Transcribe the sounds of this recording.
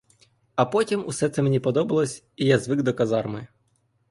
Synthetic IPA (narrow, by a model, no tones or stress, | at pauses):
ɐpɔtʲimusɛt̪sɛmenʲipɔd̪ɔbɐlˠɔsʲ | ijazʋɪɡd̪ɔkɐzɑrmɪ